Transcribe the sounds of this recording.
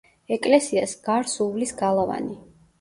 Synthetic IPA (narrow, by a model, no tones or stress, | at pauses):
ɛkʼlɛsiasɡ̥aɾsuvlisɡalˠava̰ni